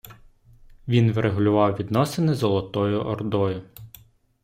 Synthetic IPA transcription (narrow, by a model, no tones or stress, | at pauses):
ʋʲinʋɾeɦʊlʲʊʋɑwʋʲid̪nɔsenɪzɔlˠɔt̪ɔjʊʔɔrd̪ɔjʊ